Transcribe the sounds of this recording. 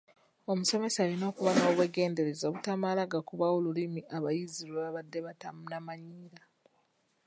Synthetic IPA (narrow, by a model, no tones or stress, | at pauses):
o̞muse̞me̞saːlino̞ːkuβakaoβwe̞ɡe̞ːnde̞ɾe̞zoːβutamalaɡakuβaolulimiʔaβajizilweβaβadːe̞βatamunamaɲiːɾa